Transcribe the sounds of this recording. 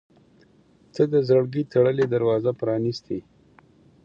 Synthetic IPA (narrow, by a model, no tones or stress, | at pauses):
t͡səd̪əzəɽɡit̪ʰaɽəled̪aɾwɑzapɾɑnist̪e